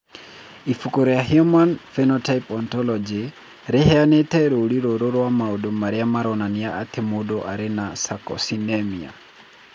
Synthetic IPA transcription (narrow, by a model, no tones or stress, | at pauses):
ifukoɾɔjahiɔmanfɛnɔtʰaipɔntɔlɔd͡ʒi | ɾɪhɛanetɛɾoɾiɾoɾoɾwamaodomaɾiamaɾɔnaniaat̪ʰɪmodɔʔaɾɪnasakɔ̰sinɛmia̰